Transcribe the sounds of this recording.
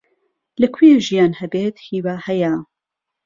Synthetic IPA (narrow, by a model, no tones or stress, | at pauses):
lɐkʰweʒijaːnhɐbeːt̪hiːwaːhɛja